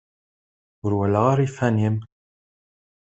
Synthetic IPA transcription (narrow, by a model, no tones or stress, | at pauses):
ʊɾwælaʁaɾifænim